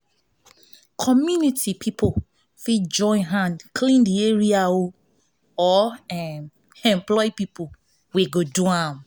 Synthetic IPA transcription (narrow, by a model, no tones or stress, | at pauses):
kʰɔmjunitʰipʰipʰo | fid͡ʒɔ̃ɪ̃nɦãndkʰlĩndieɹiao | ɔɛ | ɛ̃mplɔipipo | weɡoduãm